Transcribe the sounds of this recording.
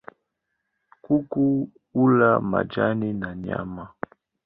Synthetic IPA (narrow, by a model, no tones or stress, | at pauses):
kuku | ulama̰d͡ʒaninaɲa̰ma